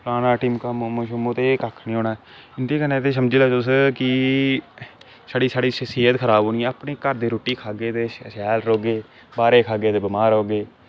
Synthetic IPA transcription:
plaːnaːʈiːmkammõːʃʊmõːt̪eːkəkʰnĩːɦoːnaː | ɪnd̪iːkənẽːt̪eːs̬əmd͡ʒilaːt͡ʃʊskɪ | saːɽiːsaːɽiːʃəsiːət̪kʰəɾaːboːniɛ̃ːəpniːkəɾd̪iːɾoːʈiːkʰaːɡeːt̪eːʃɛːlɾoːɡeː | baːɾeːkʰaːɡeːt̪eːbɪmaːɾoːɡeː

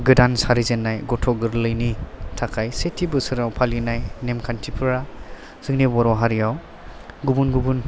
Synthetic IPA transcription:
ɡɯdansaɾizenːajɡɔtʰɔɡɯɾlɯjnitʰakʰajsetʰibɯsɯɾawpʰalinajnemkʰantʰipʰɯɾa | z̥ɯŋnibɔɾɔɦaɾijaw | ɡubunɡubun

